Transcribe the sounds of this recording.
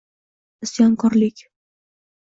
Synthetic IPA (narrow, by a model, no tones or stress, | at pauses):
ɪsjɒŋkʰɒɾlɪkʲ